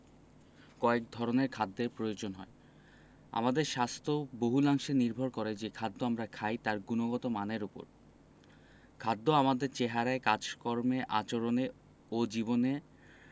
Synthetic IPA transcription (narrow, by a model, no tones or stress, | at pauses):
kɔek̚d̪ʱɔɾoneɾkʰad̪ːeɾpɾojod͡ʑonɦɔ̰e | a̰mad̪eɾʃast̪ʰoboɦulaŋʃeniɾbʱoɾkɔɾed͡ʑekʰad̪ːoamɾakʰajt̪aɾɡunoɡɔt̪omaneɾupo̰ɾ | kʰad̪ːoamad̪eɾt͡ɕeɦaɾaekad͡ʑkɔɾmeʔat͡ɕoɾone | od͡ʑibone